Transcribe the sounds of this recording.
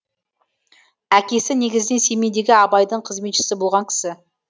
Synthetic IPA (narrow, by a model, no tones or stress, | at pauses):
ækʲe̞sɪne̞ɡʲɪzɪne̞nse̞me̞jd̪e̞ɡʲɪɑbɑjd̪əɴqʰəzme̞t̪ʃɪ̥sɪbo̞lˠʁɑŋkʲʰɪ̥sɪ